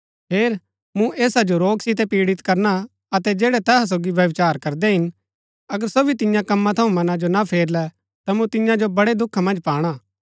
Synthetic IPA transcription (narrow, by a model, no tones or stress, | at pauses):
peːɾ | mũʔeːsad͡ʒoɾoːɡsɪt̪ɛpiːɽɪt̪kɐɾna | ɐt̪ɛd͡ʒɛːɽɛt̪ɛːɦas̬oːɡiʋjɐʋɪt͡ʃaːɾkɐɾd̪ɛɦɪn | ɐɡəɾsobit̪ɪjãkɐmːãt̪ʰɐũmɐnãd͡ʒonapʰeːɾlɛ | t̪amũt̪ɪjãd͡ʒobɐɽed̪ʊkʰːamɐ̃nd͡ʒpaːɽ̃aː